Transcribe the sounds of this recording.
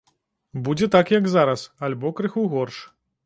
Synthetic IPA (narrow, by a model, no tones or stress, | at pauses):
bud͡zʲɛt̪akjɐkzaɾɐsɐlʲbɔkɾɨxuɣɔrʂ